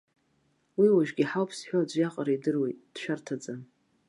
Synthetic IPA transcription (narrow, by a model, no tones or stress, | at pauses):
wiwaʒᶣɡʲiħawpʰsħʷᶣoad͡ʒʷjaqʼaɾaidɨrwe̞jt̚ʼd̥ʃᶣartʰad͡zan